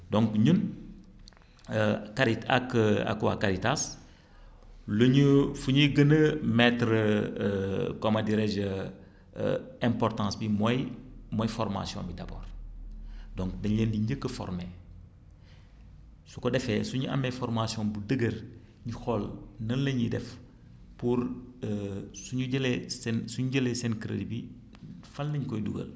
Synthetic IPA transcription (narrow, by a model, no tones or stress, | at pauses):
dõŋkɲun | kaɾita̰ka̰kwa̰kaɾitas | loɲufuɲiɡənəmɛtɾə | komadiɾed͡ʒə̰ | ɛ̃mpɔɾtɑ̃ːsbimojmojfɔɾma̰sijõ̰mbidabo̰ːɾ | dɔŋkdɐɲləndiɲɟəkːəfɔ̰rme | sukɔdɛfɛsuɲuʔɐ̰mɛfɔɾmasijɔ̃budəɡəɾ | ɲixɔlnɐnlɐɲidɛ̰f | puɾəsuɲuɟɐlesɛnsuɲuɟəlesɛnkɾə̰dibi | fɐlːɐɲkɔjduɡə̰l